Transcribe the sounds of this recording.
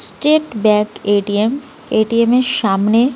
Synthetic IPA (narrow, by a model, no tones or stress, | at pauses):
sʈeʈbɛkeʈiem | eʈiemeɾʃamne